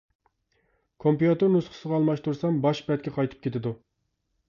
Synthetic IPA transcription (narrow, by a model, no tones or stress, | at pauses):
kʰompjut̪ɨɾnusqʰə̥səʁɑːlˠmɑʃt̪uɾsɑmbɑʃbɛt̪̚kʲʰɛqʰɑjt̪ʰɨ̥p̚kʲʰet̪ʰɪd̪u